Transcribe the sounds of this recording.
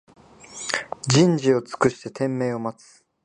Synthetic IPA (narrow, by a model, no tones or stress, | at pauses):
d͡ʑĩɲ̟d͡ʑio̞t͡sɨ̥kɯ̟ɕi̥t̪e̞t̪ẽ̞mːe̞ːo̞mat͡sɨ̥